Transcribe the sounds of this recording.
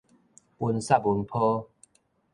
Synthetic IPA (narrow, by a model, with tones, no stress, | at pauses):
u˧nsa˥˧˩p̚u˧˦npʰo˦